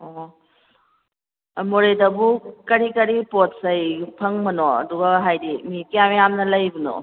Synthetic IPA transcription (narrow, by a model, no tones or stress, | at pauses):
o | moɾedɐbukɐɾikɐɾipot̚sɐjpʰɐŋmɐnoɐ̰duɡɐɦajdimikijamjamnɐlɐjbunɔ̰